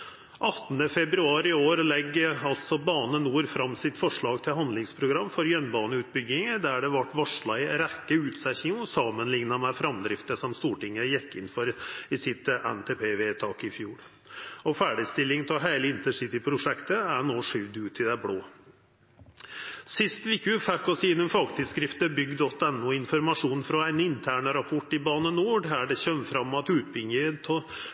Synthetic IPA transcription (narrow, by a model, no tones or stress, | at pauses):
ʔɑt̪ːnəfɛbɾʉɑːɾɪoːɾlɛɡːɑlt̪sɔbɑːnənuːɾfɾɑmːsɪt̪fɔʂɭɑːɡt̪ʰɪlhɑnd̪lɪŋspʰɾʊɡɾɑmːfɔɾjœnbɑːnəʉːt̪̚bʏɡːɪŋəd̪æɖɛʋɑʈːʋɑʂɭɑɪɾɛkːəʉːt̪sɛçɪŋɔsɑmənlɪŋnɑmɛfɾɑmd̪ɾɪft̪əʂɔmst̪uːʈɪŋːəjɛkːɪnfɔɾɪsɪt̪ʔɛ̰nt̪ʰeːpʰeːʋeːt̪ʰɑːkɪfjuːɾ | ɔfæːɖɪst̪ɪlːɪŋt̪ʰɛlɦæɪləɪnt̪əʂɪt̪ɪpʰɾʊʂɛkt̪əæɾnoːʂʏʋd̪ʉːt̪ʰɪd̪æbɽoː | sɪst̪ʋɪkʉfækɔsiɪnʊmfɑɡt̪ʰɪlskɾɪft̪əbʏɡd̪ɔt̪ːɛnʊɪnfɔɾmɑʂuːnfɾɔæɪnɪnt̪ʰæːɳəɾɑpʰɔʈːɪbɑːnənuːɖæɖɛɕœmfɾɑmːɑt̪ʉːt̪̚bɪŋːət̪ʰɔ